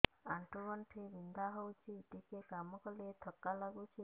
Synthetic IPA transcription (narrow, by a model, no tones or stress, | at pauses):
aɳʈuɾʋɐɳʈʰeʋind̪aɦɔwt͡ʃʰiːʈ̪ikekamɔkɔlet̪ʰɔkːalaɡut͡ʃʰi